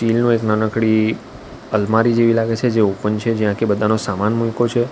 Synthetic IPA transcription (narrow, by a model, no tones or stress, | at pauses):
ʃilnũeknənəkɽi | əlmaɾid͡ʒeʋilaɡet͡ʃʰed͡ʒeopənt͡ʃʰed͡ʒijãkebəd̪ʱanosamanmujkot͡ʃʰe